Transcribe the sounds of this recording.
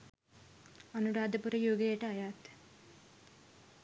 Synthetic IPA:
ɐnuɾaːd̪ɐpuɾɐjoːɡejəʈəɐjaːt̪

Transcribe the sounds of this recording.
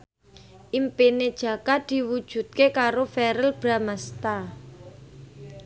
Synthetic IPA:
ʔimpined̥ʒ̥ä̤kad̪̥i̤wud̥ʒ̥ṳt̪̚kekaɾofɛɾəlb̥ɾamast̪a

